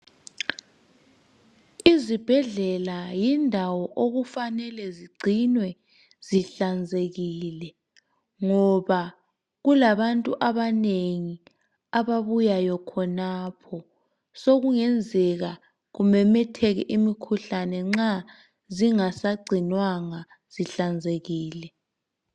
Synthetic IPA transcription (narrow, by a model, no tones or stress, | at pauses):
izib̥ʱɛɮɛlajindʱawɔʔoɣufanɛlɛziɡ͡ǀʱinwɛ | z̥iɬand͡zʱeɣiːlɛ | ŋɔβa | ɣulaβantʼuʔaβaneŋi | aβaβujajɔkʰɔnapʰɔ | soɣuŋɛnd͡zʱɛɣa | ɣumɛmɛtʰɛɣɛʔimikʰuɬanɛŋ͡ǁa | ziŋasaɡ͡ǀʱinwaŋa | z̥iɬand͡zʱeɣiːlɛ